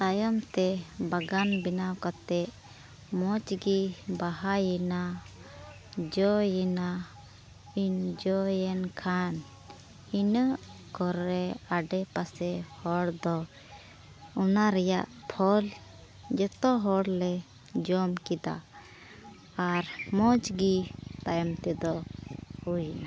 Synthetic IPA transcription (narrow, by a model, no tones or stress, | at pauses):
sajɔmt̪ɛbaɡanbinawkat̪ɛʔ | mɔt͡ʃɡibaɦajina | d͡ʒɔjina | ind͡ʒɔjɛnkʰan | inəʔkɔɾɛaɖɛpasɛhɔɽd̪ɔ | ɔnaɾɛjaʔpʰɔl | d͡ʒɛt̪ɔɦɔɽlɛ | d͡ʒɔmkid̪a̰ | ɾmɔ̃t͡ʃɡit̪ajmt̪ɛd̪ɔhujna